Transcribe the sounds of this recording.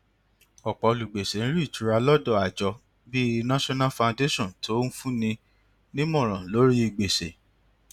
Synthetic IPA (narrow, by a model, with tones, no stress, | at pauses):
ɔ˨k͡pɔ˨o˧lu˨ɡ͡be˨se˨ñ̩˦ɾi˦˨t͡ʃu˨˦ɾa˧lɔ˦dɔ˦˨a˨d͡ʒɔ˧ | bi˦nã˦ʃɔ˦nã˦fã˨˧nde˦ʃɔ̃˦˨n˨to˦n̩˦fũ˦nĩ˧ | nĩ˦m˦ɔ̃˦˨ɾ̃ã˨lo˨˦ɾi˦i˨ɡ͡be˨se˨